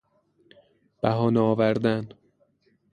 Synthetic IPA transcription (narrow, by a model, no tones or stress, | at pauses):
b̥æɦɒːneɒːvæɾd̪æn